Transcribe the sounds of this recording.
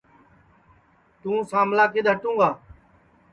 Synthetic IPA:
t̪ũːsaːmlaːkeːd̪ʱɦəʈũːɡaː

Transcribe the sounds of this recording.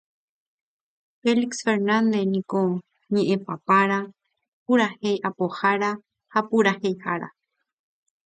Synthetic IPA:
feliksfeɾnand̪enĩko | ɲẽʔẽpapaɾa | puɾahejʔapohaɾa | hapuɾahejhaɾa̰

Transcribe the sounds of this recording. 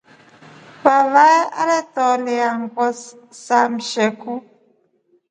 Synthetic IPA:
pavaa̰ɾɛtɔleaŋkɔs | sam̩ʃɛku

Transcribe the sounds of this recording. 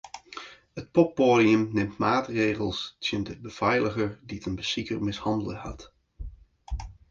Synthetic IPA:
hət̚pɔpːodiəmnɪmtmaːtreːɣəlˠstʰjəndəbəv̥ɛjləɣəɹditənbəsikərmɪshɑndəlˠəha̰t

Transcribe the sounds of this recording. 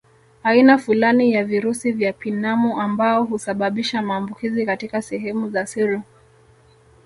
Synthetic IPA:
ainafulanijaviɾusivjapinamuʔambaɔɦusaɓaɓiʃamaːmbukizikatikasɛɦɛmuzasiɾɔ

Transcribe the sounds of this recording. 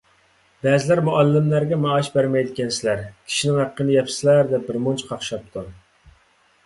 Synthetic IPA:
bɛzɪlæɾmuʔɑlːɪmlæɾɡʲɛmɑːʃbæɾmɛjd̪ɪkʲɛnsɪlæɾkʲʰi̥ʃinɪŋhæqːənɨjɛpʰslæɾd̪ɛp̚bɪɾmont͡ʃʰqʰɑχʃɑp̚t̪ʰu

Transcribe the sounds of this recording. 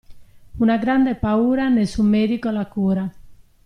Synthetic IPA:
unaɡɾand̪epauɾanesumeɾikolakuɾa

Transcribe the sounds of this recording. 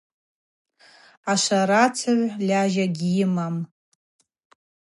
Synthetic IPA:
aʃʷaɾat͡sʰaʕʷlʲaʒaɡʲjɪmam

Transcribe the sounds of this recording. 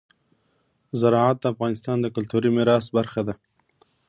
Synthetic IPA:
zaɾɑʕat̪̚d̪əːfɣɑːnɪst̪ɑnd̪əkalt̪uɾimɪɾɑsbaɾxad̪a

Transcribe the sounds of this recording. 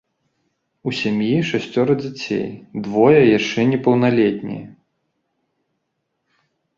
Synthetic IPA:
usʲamʲjiʂasʲt͡sʲɔɾɐd͡zʲat͡sʲḛjd̪vɔjɐjaʂt͡ʂɛnʲɛpɐwnalʲɛt̪ʲnʲḭjɐ

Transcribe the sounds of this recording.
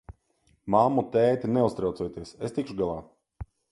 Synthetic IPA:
mamːut̪ɛːt̪inɛust̪ɾaw̪sɛjt̪iɛsest̪ikʃuɡalˠaː

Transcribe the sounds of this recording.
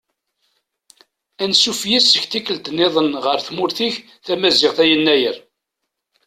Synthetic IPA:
ænsufjisːəçt̪ikːəld̪nːeðˤənʁəɾθmʊɾθiç | θæmæzɪʁθæjənːæjəɾ

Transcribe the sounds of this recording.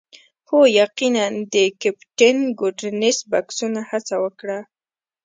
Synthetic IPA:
hojaqinand̪əkapʈɪnɡoɖnɪsbaksunahat͡sawəkɽa

